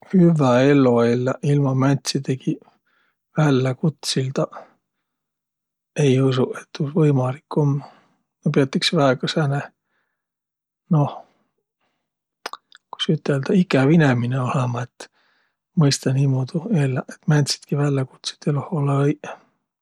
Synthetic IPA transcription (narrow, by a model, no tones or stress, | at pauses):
hyvæelːoelːæilmɑmænʲt̪ʲsit̪eɡi | vælːækut̪sild̪ɑ | e̞jusuʔet̪ːusvɤjmɑlikːomː | jɑpeɑt̪ːiksvæeɡ̥ɑsæne | noh | ku̥syt̪ːeld̪ɑikːˑævinemineolemɑet̪ː | mɤjst̪ɑniːmoːd̪̥uelːæʔet̪mænʲt̪ʲsi̥t̪kivælːeku̥t̪si̥t̪eloholːej